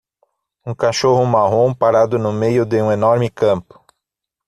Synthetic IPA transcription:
ũkaʃoɦʊmaɦõw̃paɾad̪ʊnʊmejʊd̪ɪũenɔɾmɪkɐ̃mpʊ̥

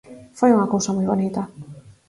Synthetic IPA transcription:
fojuŋakowsamujβonit̪ɐ

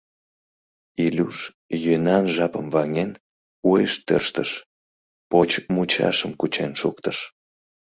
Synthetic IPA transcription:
ilʲuʃ | jønɑnʒɑpəmvɑŋen | ujeʃt̪ø̰rʃt̪əʃ | pot͡ɕmut͡ɕɑ̰ʃəmkut͡ɕenʃukt̪əʃ

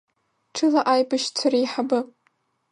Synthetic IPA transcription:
ʈ͡ʂʰɨlaʔajbaʃt͡sʷʰaɾijħabɨ

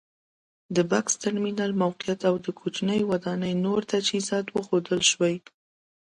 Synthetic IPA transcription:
d̪əbakst̪aɾminɑlmawqijat̪awd̪əkʰot͡ʃnəjwad̪ɑnəjnoɾt̪ad͡ʒhizɑt̪wəxod̪əlʃwaj

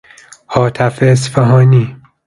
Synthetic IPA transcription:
hɒːt̪ʰæfeːsfɛɦɒːniː

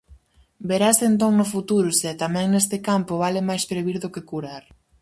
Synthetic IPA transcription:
beɾasent̪oŋnʊfut̪uɾʊsɛt̪amɛ̃ŋnest̪ɪkampʊβalɪmajspɾeβiɾðʊkekuɾaɾ

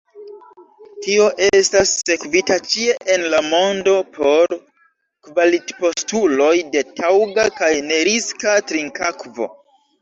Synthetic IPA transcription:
tio̞ʔe̞stasːe̞kvitat͡ʃie̞ʔenlamo̞ndo̞pʰo̞ɾ | kvalitpo̞stulo̞jde̞tʰawɡakajne̞ɾiskatɾiŋkakvo̞̰

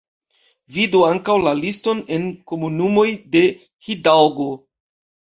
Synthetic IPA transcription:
viduaŋkawlalisto̞ne̞nko̞munumo̞jde̞ | hidawɡo̞

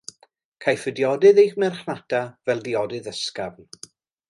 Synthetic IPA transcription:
kʰajfədjɔdɨðejχmɛrχnatʰavɛlˠdiɔdɨðəskavn

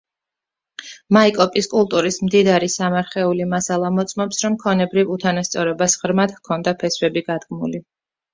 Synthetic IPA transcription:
maikʼɔpʼiskʼulˠt̪ʼuɾismd̪id̪aɾisamaɾχɛulimasalˠamɔt̪sʼmɔpsɾɔmkʰɔnɛbɾivut̪ʰanast̪sʼɔɾɔbasʁɾmad̪̥hkʰɔnd̪apʰɛsvɛbiɡad̪ɡmuli

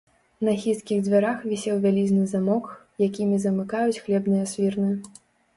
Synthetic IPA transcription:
nɐxʲiskʲiɣd͡zʲvʲaɾaxvʲisʲɛwvʲalʲizʲnɨzamɔk | jakʲimʲizɐmɨkajut͡sʲxlʲɛbnɨjɐsʲvʲirnɨ

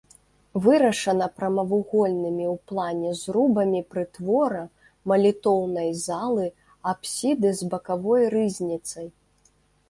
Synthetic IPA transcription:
vɨɾɐʂɐnɐpɾɐmɐvuɣɔlʲnɨmʲiwplˠanʲɛzɾubɐmʲipɾɨt̪vɔɾɐ | mɐlʲit̪ɔwnɐjzalˠɨ | apsʲid̪ɨzbɐkavɔjrɨzʲnʲit̪sɐj

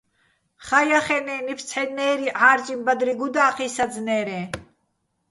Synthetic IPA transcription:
χajaχɛnɛːnipʰt͡sʰħɛnɛːɾiʕaːɾt͡ʃʼimbad̪ɾiɡud̪aːqʰisad͡znɛːɾɛ

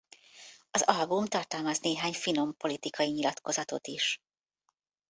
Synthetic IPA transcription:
ɒzɒlbumt̪ɒrt̪ɒlmɒzneːɦaːɲfino̞mpo̞lit̪ikɒjiɲilɒt̪ko̞zɒt̪o̞̰t̪iʃ

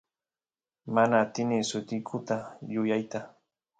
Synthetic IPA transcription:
manaːt̪ɪnɪsʊt̪ɪkʰʊt̪ajʊjajt̪a

